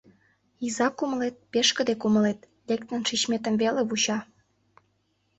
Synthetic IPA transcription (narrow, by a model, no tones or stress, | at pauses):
izɑkuməlet̪̚peʃkə̆d̪ekuməlet̪ | lekt̪ə̆nʃit͡ɕmet̪ə̆mveleβut͡ɕɑ